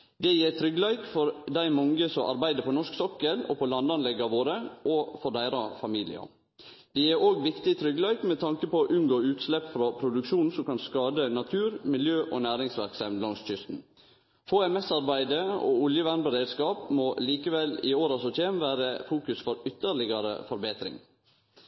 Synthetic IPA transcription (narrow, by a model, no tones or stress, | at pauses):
d̪ɛjeːt̪ʰɾʏɡlæɪkfɔɾd̪æɪmɔŋɡəsɔʔɑ̰ɾbæɪd̪əɾpʰɔnɔʂksɔkːəlɔ̰pʰɔlɑnd̪ɑnlɛɡəɑʋoːɾəʔɔfɔɖ̪æɪɾɑfɑmiːlɪ̰ɑ̰ | d̪̥ɛæɾoːɡʋɪkt̪ɪt̪ʰɾʏɡlɑɪkmɛt̪ʰɑŋkəpɔʔʉnɡoːʉːt̪slɛpːfɾɑpʰɾʊd̪ʉkʃuːnsɔmkɑnskɑːd̪ənɑt̪ʰʉːɾmɪljøːʔɔnæːɾɪŋsʋæɾksɑmlɑŋsc͡çʏst̪n̩ | foːɛmɛsɑɾbæɪd̪əɔ̰ʊljəʋænbəɾeːd̪skɑːpmoliːkəʋɛlɪ̰oːɾɑsɔt̪ʰeːmʋæːɾəfuːkʉsfɔɾʏt̪ːəɾɭɪɡɑɾə̰fɔɾbeːt̪ɾɪ̰ŋ